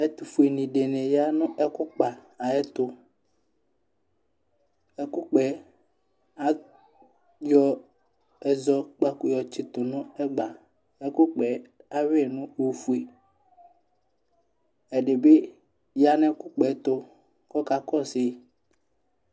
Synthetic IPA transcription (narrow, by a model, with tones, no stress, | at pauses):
ɛ˦t̪u˨fu˨e˨nĩ˨ɖe˨nɛ˨ja˦nʊ̃˦ɛ˦kʊ˦k͡pa˨ | a˨ɛ˦t̪ʊ˦ | ɛ˦kʊ˦k͡pɛ˨ | a˦ | jɔ˦ | ɛ˨zɔ˦k͡pa˨kʊ˨jɔ˨t͡ʃɪ˨t̪ʊ˨nʊ̃˦ɛ˦ɡ͡ba˨ | ɛ˦kʊ˦k͡pɛ˨a˦we˦˨nʊ̃˦o˨fu˨e˨ | ɛ˨ɖe˨be˦ | ja˦nɛ˦kʊ˦k͡pɛ˨˦t̪ʊ˦ | kɔ˦ka˨kɔ˦sɪ˦˨